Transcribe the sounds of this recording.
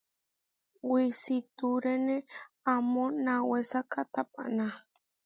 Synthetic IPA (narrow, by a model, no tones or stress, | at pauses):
wisit̪uɾenẽamõnãwesakat̪apa̰nã